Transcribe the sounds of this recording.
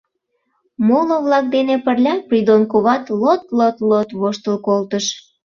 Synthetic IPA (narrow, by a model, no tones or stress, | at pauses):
moloβlɑk̚d̪enepərlʲɑpɾʲid̪onkoβɑt̪lot̪lot̪lot̪βoʃt̪əlkolt̪əʃ